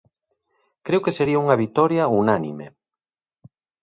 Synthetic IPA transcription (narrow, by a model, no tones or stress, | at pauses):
kɾewkeseɾiauŋɐβit̪ɔɾjaunanḭmḛ